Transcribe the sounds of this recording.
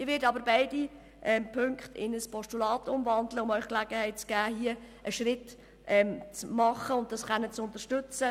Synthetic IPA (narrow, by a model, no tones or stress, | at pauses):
ɪʋɪdɑbəɾbaɪdi | ʔɛmpʰʏŋkχtɪ̰nəspʰɔstulɑːtʊmvɑndləʊmœʏχklæɡ̥əhɛɪt̚t͡sɡ̥æːhiə | ʔəʃrɪt | ʔɛmt͡smɑχəʊntdɑsχɛnːət͡sʊntəʃtɵt͡sə